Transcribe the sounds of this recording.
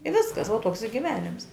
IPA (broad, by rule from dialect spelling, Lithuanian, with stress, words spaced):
ɪ ˈʋʲɪskɐs ʋuɔ ˈtoːks ɪ ɡʲɪˈʋʲæːnʲɪms